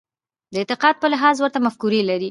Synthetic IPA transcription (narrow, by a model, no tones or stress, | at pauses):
d̪əɪt̪ɪqɑd̪̚pəlɪɦɑzwəɾt̪amafkuɾelaɾi